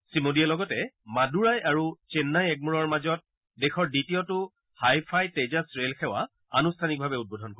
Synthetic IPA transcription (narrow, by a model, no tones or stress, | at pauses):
simodiɛlɔɡɔtɛmaduɹajaɹut͡ʃenːajɛk̚muɹɔɹmazɔt̚ | dexɔɹditiɔtʊ | hajpʰajtezasɹelxɛwa̰ | a̰nustʰanik̚bʱabɛut̚bodʱɔnko